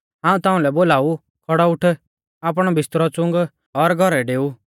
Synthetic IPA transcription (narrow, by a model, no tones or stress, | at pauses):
ãːũt̪aːũlɛboːlaːu | kʰɔɽɔʊʈʰ | aːp̬ɽ̃ɔbɪst̪ɾɔt͡sʊ̃ŋɡ | ɔɾɡʱɔɾɛɖeːu